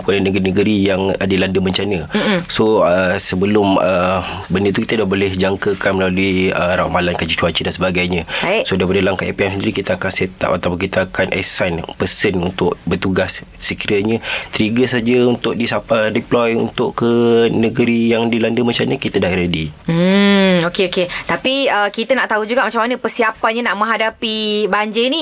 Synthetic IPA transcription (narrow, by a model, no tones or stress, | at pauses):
kuadənəɡɾinəɡəɾijaŋdilandəməɲt͡ʃanə̃soəsəbəlʊmə | bəndət̪ukit̪ədahbolɛhd͡ʒaŋkəkanməlaluiəɾaʔmalankad͡ʒit͡ʃuat͡ʃidansəbaɡajɲə̃sodajpadalaŋkaʔepiɛmsəndiɾikit̪aakanset̪a̰pat̪apʊŋkit̪aakanʔɛ̰sanpəsənunt̪ʊʔbət̪uɡassəkiɾaɲə̃t̪ɾiɡəsad͡ʒaunt̪ʊk̚disaədiplɔjṵnt̪ʊʔkənəɡəɾijaŋdilandəmat͡ʃamɲəkit̪ədaʔɾedim̩okeoket̪apiəkit̪ənaʔt̪aud͡ʒuɡaʔmat͡ʃamːanə̃pərsiapanɲanaʔmə̃ŋɦadapibaɲd͡ʒəini